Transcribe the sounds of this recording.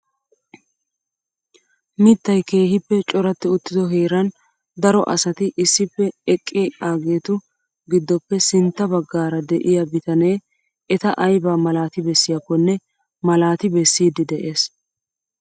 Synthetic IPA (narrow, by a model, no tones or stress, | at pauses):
mɪt̪ːɐjke̞ːɦɪpːɛt͡ʃʼɔɾɐt̪ːɪʊt̪ːɪd̪ɔɦe̞ːɾɐn | d̪ɐɾɔʔɐsɐt̪ɪʔɪsːɪpːɛɛkʼːɪaːɡe̞ːt̪ʊ | ɡɪd̪ːɔpːɛsɪnt̪ːɐbɐɡːaːɾɐd̪ɛʔɪjɐbɪt̪ɐneː | ɛt̪ɐʔɐjbaːmɐlaːt̪ɪbɛsːɪjakːɔnːɛ | mɐlaːt̪ɪbɛsːiːd̪ɪd̪ɛʔe̞ːs